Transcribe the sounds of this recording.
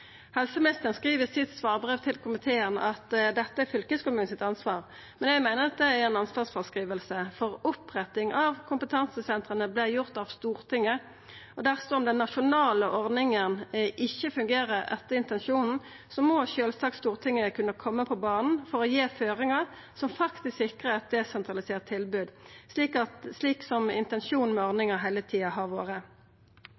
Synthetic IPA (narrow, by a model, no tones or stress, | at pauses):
hɛlsəmnɪst̪əʁnskʁiːʋəsɪt̪sʋɑːʁbʁeːʋt̪ʰɪlkʰʊmɪt̪ʰeːənɑt̪d̪ɛt̪ːəæfʏlkəskʊmʉːn̩sɪt̪ɑnsʋɑːʁ | mɛnjæɡmæɪnəʁɑt̪̚d̪ɛæʁɛɪnɑnsʋɑːsfɔʁskʁiːʋəlsəfɔʁʊpʁɛt̪ːɪŋʔɑʋkʰʊmpət̪ʰɑnsəsɛnt̪ʁənəblɪjʊʁt̪ɑʋst̪uːʁt̪ʰɪŋːə | ɔd̪æʁsɔɔmd̪ɛnːɑʃʊnɑːləʔɔʁd̪nɪŋənʔɪçːəfʉŋɡeːʁəɛ̰t̪ːəɪnt̪ɛnʂuːnn̩ | sɔmɔʃøːlsɑːkst̪uːʁt̪ʰɪŋːəkʰʉnːəkʰɔmːəpʰɔbɑːnn̩fɔʁɔjeːføːʁɪŋɑʁ | sɔmfɑkt̪ɪsksɪkʁəɑt̪̚d̪ɛsɛnt̪ʁɑlɪseːʁtt̪ʰːɪlbʉːd̪sliːkɑt̪sliːksɔmɪ̰nt̪ɛnʂuːnn̩mɛɔʁnɪŋəɦæɪlət̪ʰiːɑɦɑʁʋo̰ːʁə